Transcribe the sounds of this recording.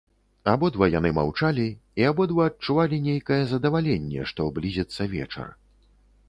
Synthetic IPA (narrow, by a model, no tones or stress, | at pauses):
abɔd̪vɐjan̪ɨma̰wt͡ʂalʲiiabɔd̪vɐɐt͡ʂːuvalʲinʲejkɐjɛzɐd̪ɐvalʲenʲːɛ̰ʂt̪ɔblʲizʲɛt̪sːɐvʲɛ̰t͡ʂɐ̰r